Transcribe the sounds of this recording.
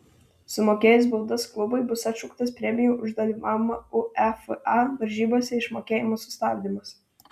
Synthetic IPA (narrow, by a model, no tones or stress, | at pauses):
sʊmoːkʲeːjʊsbʊlˠd̪ɐsklˠʊbʊɪbʊsɐt̪ʲʃʊkt̪ɐspʲɾʲɛmʲɪjuːʔʊʒd̪ɐlʲimɑːʋʲmɐʊɛfʔɑʋɐɾʲʒʲiːboːsʲɛɪʃmoːkʲeːjɪmoːsʊst̪ɑːbʲd̪ʲimɐs